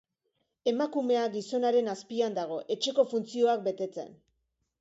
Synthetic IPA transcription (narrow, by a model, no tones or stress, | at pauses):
e̞makume̞aɡiso̞naɾe̞naspiand̪aɣ̞o̞ʔe̞t͡ʃe̞ko̞funt͡sio̞ak̚be̞t̪e̞t͡se̞̰n